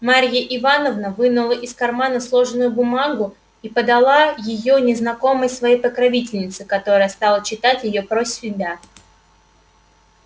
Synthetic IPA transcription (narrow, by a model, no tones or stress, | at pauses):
maɾʲjəʔɪvanəvnəvɨnʊlˠəʔɪskɐrmanəslˠo̞ʐɨnʊjʊbʊmaɡʊ | ipəd̪ɐlˠajɪjo̞nʲɪznɐko̞məjsvɐjejpəkɾɐvʲitʲɪlʲnʲɪt̪sɨkɐt̪o̞ɾəjəst̪ɑlˠət͡ɕɪt̪atʲjɪjo̞pɾosʲɪbʲa